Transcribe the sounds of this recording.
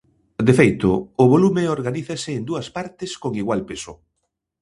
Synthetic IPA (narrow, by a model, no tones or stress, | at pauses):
d̪efejt̪ʊʊβolumɪoɾɣaniθesɪːnd̪uɐspaɾt̪ɪskoŋiɣwalpesʊ